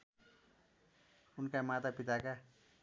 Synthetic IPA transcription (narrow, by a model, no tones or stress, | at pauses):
unkamat̪apit̪aka